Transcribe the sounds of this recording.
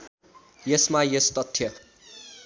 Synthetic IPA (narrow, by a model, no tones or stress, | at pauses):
jesmajest̪ʌt̪ʰːjʌ